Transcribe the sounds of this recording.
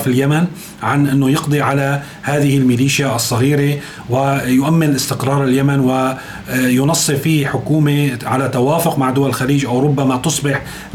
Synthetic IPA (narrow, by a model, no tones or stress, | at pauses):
filjaman | ʕanʔɪnːojɪqd̪ˤiʕala | haːðɪhɪlmɪliːʃjaʔɑsˤːɑɣiːɾe | wɪjʊʔamːɪnʔɪst̪ɪqɾˤɑːɾˤɪljamanwɪ | jʊnɑsˤːɨfiːħʊkuːmeʕalat̪awaːfʊqmaʕd̪ʊwalɪlxaliːd͡ʒʔawɾˤʊbːamat̪ʊsˤbɪħ